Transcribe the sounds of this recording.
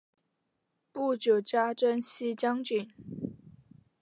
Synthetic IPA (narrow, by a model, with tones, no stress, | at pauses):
pu˥˩t͡ɕjo˨˩ʊt͡ɕja˥ʈ͡ʂə˥nɕi˥t͡ɕjɑ˥ŋt͡ɕy˨˩˦n